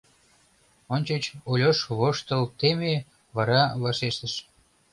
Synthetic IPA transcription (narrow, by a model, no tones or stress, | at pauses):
onʲt͡ɕet͡ɕolʲoʃβoʃt̪əlt̪eme | βɑɾɑβɑʃeʃt̪əʃ